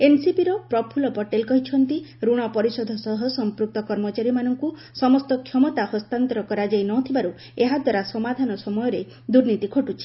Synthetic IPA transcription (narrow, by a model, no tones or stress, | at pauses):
ensipiɾɔpɾɔpʰulɔpɔʈelkɔɦit͡ʃʰɔnt̪iɾuɽ̃ɔpɔɾisɔd̪ʱɔsɔɦɔsɔmpɾuk̚t̪ɔkɔɾmɔt͡ʃaɾimanɔŋku | sɔmɔst̪ɔkʰjɔmɔt̪ahɔst̪ant̪ɔɾɔkɔɾad͡ʒajnɔt̪ʰibaɾu | eɦad̪waɾasɔmad̪ʱanɔsɔmɔjɔɾe | d̪uɾnit̪ikʰoʈut͡ʃʰi̥